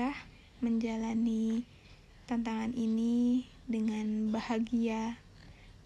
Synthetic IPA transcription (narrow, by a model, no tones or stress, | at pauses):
ah | məɲd͡ʒalani | t̪ant̪aŋanʔini | dəŋanbahaɡia